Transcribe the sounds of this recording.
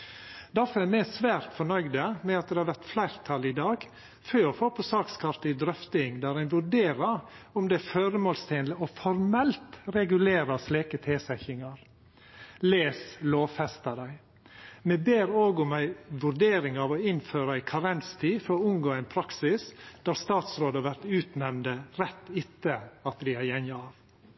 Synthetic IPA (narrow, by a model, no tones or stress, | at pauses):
d̪̥æɾfɔɾɛɾmæsʋæːɾt̪fɔɳœʏd̪əmɛɑt̪̚d̪ɛhɑɾʋæɾt̪flæɪɾt̪ʰɑlɪd̪ɑːɡ | føːɾɔfoːpʰɔsɑːkskʰɑɾt̪ɪd̪ɾœft̪ɪŋd̪æɾæɪnʋʉɖeːɾəɾʊmd̪ɛɾføːɾəmoːlst̪ʰeːnləɔfɔɾmɛlt̪ɾɛɡʉleːɾɑsleːkət̪ʰeːsɛçɪŋɑɾ | leːsloːʋfɛst̪ɑd̪æɪ | mɛbeːɾoːɡʊmæɪʋʉɾɖeːɾɪŋɑʋɔɪnføːɾəɑæɪkʰɑɾɛnst̪ʰiːfɔɾɔʊnɡoːæɪnpʰɾɑksɪsd̪̥æɾst̪ɑːt̪sɾoːd̪əhɑɾʋæɾt̪ʉːt̪nɛmnd̪əɾɛt̪ːɪt̪ːəɑt̪d̪ɪæɾjɛɲjɑʋ